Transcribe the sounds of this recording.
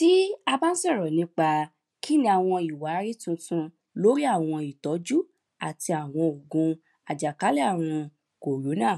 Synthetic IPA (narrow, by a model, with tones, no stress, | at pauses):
ti˦a˧ba˦n̩˦sɛ˦˨ɾɔ˨nĩ˨˧˦k͡pa˧ | ki˦nĩ˧˦a˨w̃ɔ̃˧i˨wa˨˦ɾi˦tũ˧tũ˧ | lo˦ɾi˦a˦˨w̃ɔ̃˧i˨tɔ˨˦d͡ʒu˦ | a˨ti˧a˨w̃ɔ̃˧o˨ɡũ˧ | a˨d͡ʒa˨ka˨˦lɛ˦a˦˨ɾ̃ɔ̃˧ | ko˨lo˨˦nãː˦˨